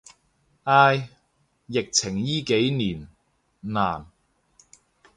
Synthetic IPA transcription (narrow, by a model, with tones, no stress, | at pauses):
ʔaː˧jː | ɪ˨k̚t͡sʰɪ˨˩ŋjiː˥ke˨˥jniː˨˩n | naː˨˩n